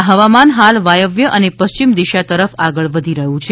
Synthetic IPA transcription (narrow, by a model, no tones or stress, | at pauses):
ɦəʋamanɦalʋajəʋjəʔənepəst͡ʃimd̪iʃat̪əɾəfaɡəɭʋəd̪ʱiɾəɦũt͡ʃʰe